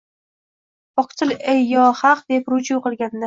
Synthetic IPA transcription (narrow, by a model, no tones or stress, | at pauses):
ɒqt̪ʰɨlejːɒhɑqd̪e̞pɾʊt͡ʃʰuqɨlˠɡʲand̪a